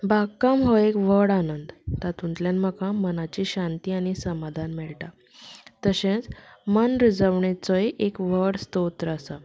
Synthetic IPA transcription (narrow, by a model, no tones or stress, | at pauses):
bʱakːamɦoekʋəɽanənd̪t̪at̪unt̪ljanməkãmənat͡ɕiɕãnt̪iːaɽ̃isəmad̪ʱanmɛɭʈa | t̪əɕẽt͡smənɾid͡zəʋɳet͡sɔjʔekʋ̤əɽst̪ot̪ɾəːsa